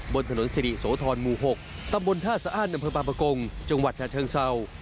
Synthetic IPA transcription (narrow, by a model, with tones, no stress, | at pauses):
bo˧nt̪ʰa˧no˩˦nsi˧ɾi˨˩soː˩˦˥t̪ʰɔː˧nmuː˧˩ɦo˨˩k̚t̪a˧mbo˧nt̪ʰaː˥˩saː˧ʔaː˥˩t̪̚ʔa˧mpʰɤː˧paː˧pɾa˧ko˧ŋt͡ɕa˧ŋwa˨˩t̪̚t͡ɕaː˨˩t͡ɕ̪ʰɤː˧ŋsa˧w